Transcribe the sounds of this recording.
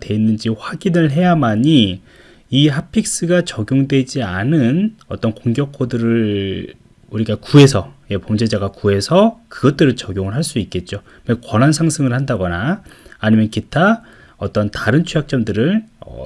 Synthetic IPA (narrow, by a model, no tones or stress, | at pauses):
twe̞inːɯnd͡ʑiɸwaɡinɯɭɦe̞jamaɲi | iɦapʰik̚s͈ɯɡat͡ɕʌɡjoŋdwe̞d͡ʑianɯnʌt͈ʌnkoŋɡjʌkʰodɯɾɯɭ | uɾiɡakue̞sʰʌje̞pomd͡ʑed͡ʑaɡakue̞sʰʌkɯɡʌt̚t͈ɯɾɯɭt͡ɕʌɡjoŋɯɭɦaɭs͈uik͈e̞t̚t͡ɕ͈o | wekwʌnansʰaŋsʰɯŋɯɭhandaɡʌnaːɲimjʌnkitʰa | ʌt͈ʌntaɾɯnt͡ɕʰujak̚t͡ɕ͈ʌmdɯɾɯɭʌ̰